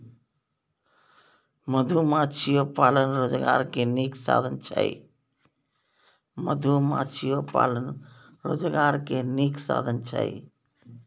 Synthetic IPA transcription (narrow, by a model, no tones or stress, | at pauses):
məd̪ʱumãt͡ʃʰijopaːlənɾoːd͡ʒɡa̰ːɾkeniːksa̰ːd̪ʱənt͡ʃʰa̰ḭ | məd̪ʱumã̰t͡ʃʰijopa̰ːlən | ɾoːd͡ʒɡaːɾkeniksa̰ːd̪ʱənt͡ʃʰa̰ḭ